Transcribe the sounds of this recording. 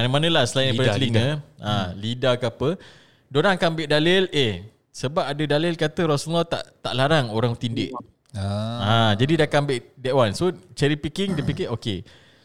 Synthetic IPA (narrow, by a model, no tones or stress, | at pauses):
anmanə̃lahsəlajnədakəliŋə̃ãlidakəapə | doɾaŋakambɪʔdalɪleh | səbap̚adədalɪlkat̪əɾɔsənlɔt̪a̰ʔt̪a̰ʔlaɾaŋoɾaŋt̪indɪ̰ʔ | ãd͡ʒadidakaambɪʔdɛʔwansot͡ʃɛɾipikɪŋdəpikeʔoke